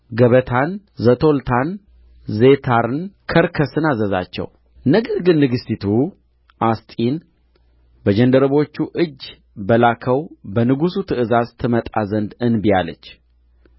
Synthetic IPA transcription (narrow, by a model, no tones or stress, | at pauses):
ɡəβət̪ʰan | zət̪ʰo̞lt̪ʰan | ze̞t̪ʰaɾɨnkʰəɾkʰəsɨnazəza̰t͡ʃːɛ̰w | nəɡəɾɡɨnːɨɡɨstit̪ʰu | ʔast̪ʼin | bəd͡ʒənd̪əɾəβo̞t͡ʃːuʔɨd͡ʒ | bəlakʰəwbənɨɡusut̪ʰɨʔɨzazt̪ʰɨmət̪ʼazənd̪ɨnbijalə̰t͡ʃː